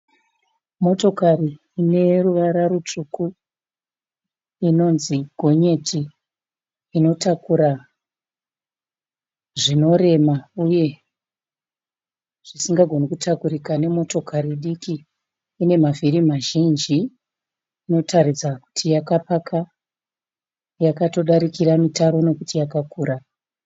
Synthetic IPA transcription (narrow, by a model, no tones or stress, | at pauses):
mo̞to̞kariː | ne̞ruʋaɾarut͡ʂuku | ino̞nziɡʱo̞ɲe̞tʰi | ino̞takuɾa | ʐino̞ɾe̞mauje̞ | ʐ̥isiŋɡaɡʱo̞nikutakuɾikane̞mo̞to̞kʰariɗikiː | ne̞mavirimaʒind͡ʒiː | no̞tʰaɾid͡zaku̥tʰijakapakʰa | jakato̞ɗaɾikiɾamitaɾo̞no̞kutijakakuːɾa